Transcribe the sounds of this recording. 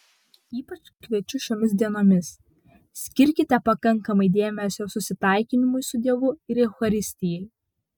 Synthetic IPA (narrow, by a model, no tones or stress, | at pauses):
iːpɐt͡ʃ | kʲʋʲiɛt͡ʃʲʊʃʲoːmʲɪsʲd̪ʲiɛnoːmʲɪs | sʲkʲɪɾʲkʲɪt̪ʲɛpɐkɐŋˑkɐmɐɪd̪ʲeːmʲɛsʲoːsʊsʲɪt̪ɐˑɪkʲɪnʲɪmʊɪsʊd̪ʲiɛʋʊɪɾɛʊxɐɾʲɪsʲt̪ʲɪjɛɪ